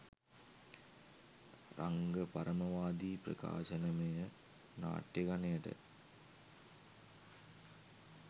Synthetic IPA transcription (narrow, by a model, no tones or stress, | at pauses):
raŋɡəpaɾəmɐʋaːd̪iːprɐ̰ka̰ːɕɐnəmejə | na̰ːʈjeɡanejəʈə̰